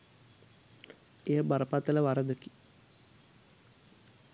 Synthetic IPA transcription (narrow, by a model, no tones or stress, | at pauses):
ejəbaɾəpat̪ələʋaɾəd̪əki̥